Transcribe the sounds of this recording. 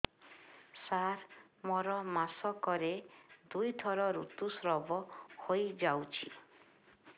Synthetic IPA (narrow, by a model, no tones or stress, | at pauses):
saɾ | mɔɾɔmasɔkɔɾed̪ujt̪ʰɔɾɔɾṵt̪usɾɔbɔhojd͡ʒawt͡ʃʰi̥